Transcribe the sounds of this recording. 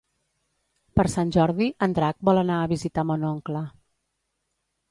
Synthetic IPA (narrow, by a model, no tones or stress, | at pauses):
pəɾsanʲʒɔɾðiʔənd̪ɾak̚bɔlˠənaəβizit̪amonɔŋklə